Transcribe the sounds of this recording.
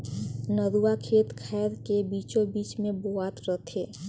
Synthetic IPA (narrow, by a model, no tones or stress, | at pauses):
nəd̪uwakʰeːt̪kʰɛːɾkebiːt͡ʃõbiːt͡ʃmẽboaːt̪ɾət̪ʰeː